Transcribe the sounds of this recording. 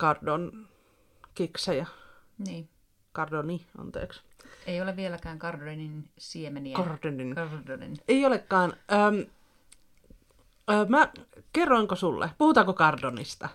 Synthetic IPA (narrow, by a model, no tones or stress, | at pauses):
kɑrdon | kiksɑjɑniː | kɑrdoniɑ̰nt̪ḛːks | eioleʋʋielækæːŋkɑrdoninsiemenikɑrdoninrdonḭneiolekːɑːnʔəːm | mækerːoiŋkosulːʔḛpuhut̪ɑːkokɑrdonḭst̪ɑ